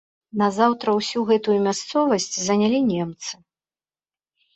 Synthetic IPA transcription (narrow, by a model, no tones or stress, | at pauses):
nɐzawt̪ɾɐwsʲuɣɛt̪ujumʲast̪sɔvɐsʲt͡sʲzɐnʲalʲinʲɛmt̪sɨ̥